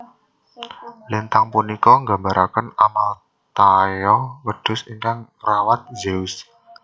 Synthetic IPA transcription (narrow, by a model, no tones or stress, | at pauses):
lint̪aŋpunikɔŋɡa̤mbaɾʔakənamal | t̪ajɔwəɖ̥ʊ̤siŋkaŋ | rawat̪̚d͡ʒeus